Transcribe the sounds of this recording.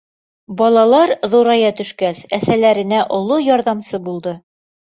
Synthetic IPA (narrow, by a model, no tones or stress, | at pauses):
bɒlˠɑlˠɑɾðuɾɑjɑt̪ɵ̆ʃkæsæsælæɾɘ̆næʔŏlˠojɒɾðɑmsɤbulˠd̪ɤ